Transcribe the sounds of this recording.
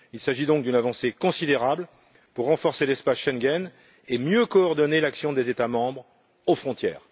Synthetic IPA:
ilsaʒid̪ɔ̃k̚d̪ynavɑ̃sekɔ̃sid̪eʁabl | puʁːɑ̃fɔʁselɛspasʃɛŋɡʲɛn | emjøkɔːʁd̪ɔnelaksjɔ̃d̪ezet̪amɑ̃bʁ | ofχɔ̃t̪jɛːʁ

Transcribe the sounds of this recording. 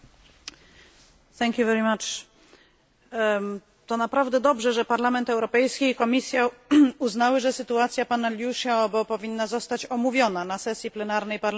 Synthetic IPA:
θɛŋkʲjuvɛɾimat͡ʂ | t̪ɔnapɾavd̪ɛd̪ɔbʐɛʐɛpaɾlamɛnt̪ɛwɾɔpɛjskʲiːkɔmʲisʲjauznawɘʐɛsɘt̪uat̪sʲjapanalʲjuʂaɔbɔpɔvʲinːazɔst̪at͡ɕɔmuvʲjɔnanasɛsʲjiplɛnaɾnɛjpaɾl

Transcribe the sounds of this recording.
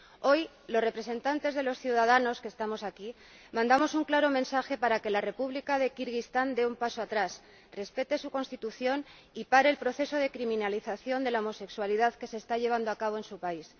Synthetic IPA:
o̞j | lore̞pɾe̞sẽ̞nt̪ant̪e̞zðe̞lo̞sθjuwðað̞ano̞skest̪amo̞saki | mãnd̪amo̞suŋklaɾo̞mẽ̞nsaxe̞paɾake̞lare̞puβlikað̞e̞kiɾɣist̪and̪e̞umpaso̞at̪ɾas | re̞spe̞t̪e̞suko̞nst̪it̪uθjon | ipaɾe̞ːlpɾo̞θe̞so̞ðe̞kɾimĩnaliθaθjo̞nd̪e̞laomo̞se̞kswaliðaðke̞se̞ːst̪aʎe̞β̞and̪oakaβo̞e̞nsupais

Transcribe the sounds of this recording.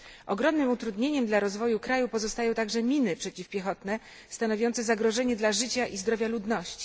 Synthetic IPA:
ʔɔɡɾɔmnɘmut̪ɾud̪ɲeɲɛmd̪laɾɔzvɔjukɾajupɔzɔst̪ajɔ̃w̃t̪aɡʐɛmʲinɘpʂɛt͡ɕifpʲjɛxɔt̪nɛ | st̪anɔvʲjɔnt̪sɛzaɡɾɔʐɛɲɛd̪laʐɘt͡ɕaʔizd̪ɾɔvʲjalud̪nɔɕt͡ɕi̥

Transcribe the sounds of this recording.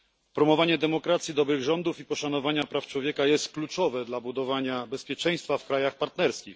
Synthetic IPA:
pɾɔmɔvaɲɛd̪ɛmɔkɾat̪sʲjid̪ɔbɾɘɣʐɔnd̪ufipɔʂanɔvaɲapɾaft͡ʂwɔvʲjɛkajɛst̪klut͡ʂɔvɛd̪labud̪ɔvaɲabɛspʲjɛt͡ʂɛj̃st̪fafkɾajaxpaɾt̪nɛɾskʲix

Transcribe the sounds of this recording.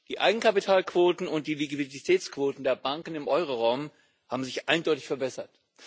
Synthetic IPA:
d̥iːʔa̰ɪɡŋ̩kʰapitʰaːlkv̥oːtn̩ʊnt̚d̥iːliɡviditʰɛːt͡skv̥oːtn̩deːɐbaŋkn̩ɪmʔɔʏʁoʁaʊm | haːbm̩zɪçʔaɪndɔʏtɪ̥çfɛɐbɛsɐt

